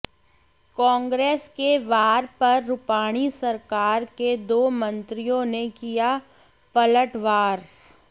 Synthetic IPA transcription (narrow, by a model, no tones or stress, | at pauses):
kɔ̃ːŋɡɾeːskeʋaːɾpɐɾːʊpaːɽ̃isɐɾkaːɾked̪oːmɐ̃nt̪ɾijõnekija | pɐləʈʋaːɾ